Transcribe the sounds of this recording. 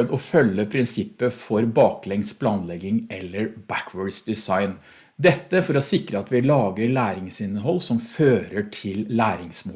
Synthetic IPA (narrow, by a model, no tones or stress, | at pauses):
d̪ɔfœlːəpʰɾɪnsɪpːəfɔɾbɑːklɛŋspʰlɑːnlɛɡɪŋɛlːəɾbækʰwœɖsd̪ɪsɑɪn | d̪ɛt̪ːəfɔɾɔsɪkɾəɑt̪ʋɪlɑːɡəɾɭæːɾɪŋsɪnːəɦɔlːsɔmføːɾəʈʰɪlːæːɾɪŋsmu